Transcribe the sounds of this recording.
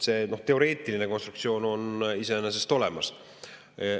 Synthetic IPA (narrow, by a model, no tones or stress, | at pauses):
se̞ːno̞ht̪e̞o̞ɾe̞ːt̪ːˑiline̞ko̞nst̪ɾukt̪sio̞ːno̞nise̞enes̬e̞st̪o̞le̞̰mɑs